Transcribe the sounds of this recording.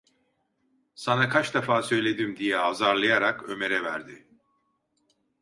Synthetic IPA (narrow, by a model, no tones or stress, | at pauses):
sanakʰat͡ʃd̪afaːsø̞jlʲe̞d̪imd̪ijɛazaɾlˠajaɾakø̞̰me̞ɾɛvæɾd̪ɪ